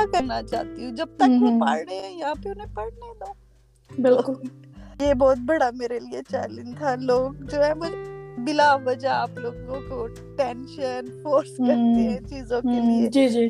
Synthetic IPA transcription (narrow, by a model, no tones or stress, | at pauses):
akəɾnat͡ʃa̰ːt̪iɦũd͡ʒɐb̚t̪ə̃kɦĩpaːɾɳeɛjɐɦãpeʊnɦẽpɐɽnena | bɪlkʊljebɔːt̪̚bɐɽameːɾeliet͡ʃɛ̰ːlɪ̃nd͡ʒt̪ʰaloːɡ̚d͡ʒoːɦɛ̃mʊd͡ʒbɪlaʋɐd͡ʒaaːploːɡkoko | ʈẽnʃənfoːɾsɐɾt̪eɦɛ̃t͡ʃiːzõkeied͡ʒiːd͡ʒiː